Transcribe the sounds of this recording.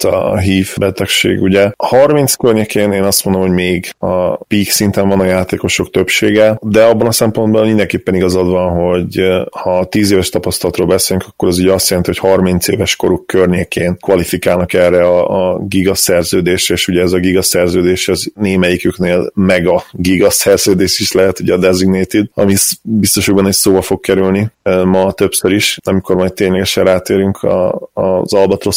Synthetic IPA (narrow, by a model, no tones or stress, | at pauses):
t̪ɒ̰ɦiːfbɛt̪ɛkʃḛːɡuɟɛhɒrmint̪skørɲekʰeːneːnɒst̪mo̞nd̪omho̞ɟmeːɡɒ̰piːksint̪ɛɱvɒnɒjaːt̪eːko̞ʃo̞kt̪øpʃeːɡɛd̪ɛɒbːɒnɒsɛmpo̞nd̪bɒmind̪ɛŋkeːpːɛniɡɒzɒd̪ʋɒnɦo̞ɟhɒt̪iːzeːvɛʃt̪ɒpɒst̪ɒlɒt̪ɾoːlbɛseːlyŋkʰɒkːo̞ɾɒzyɟɛɒst̪jɛlɛnt̪iho̞chɒrmint̪sḛːvɛʃko̞ɾukːørɲeːkeːnkʋɒlifikaːlnɒkɛrːɛɒːɡiɡɒsɛrzøːd̪eːʃeːʃuɟɛɛzɒɡiɡɒsɛrzøːd̪eːʃɒzneːmɛjikykneːlmɛɡɒɡiɡɒsɛrzøːd̪eːʃiʃlɛɦɛt̪uɟɛːd̪ɛziɡneːt̪id̪ɒ̰misbist̪o̞ʃoɡbɒnɛssoːbɒfo̞kkɛɾylnimɒt̪ø̞psøɾiʃɒmiko̞rmɒjt̪t̪ːeːɲlɛɡɛʃɛraːt̪eːɾyŋkʰɒ̰ːzɒlbɒt̪ro